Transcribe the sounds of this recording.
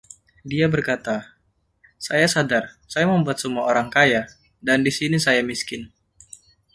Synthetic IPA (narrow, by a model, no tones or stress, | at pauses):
diabərkat̪a | sajasadar | sajaməmbuat̪̚səmuaoɾaŋkaja | dandisinisajamiskɪn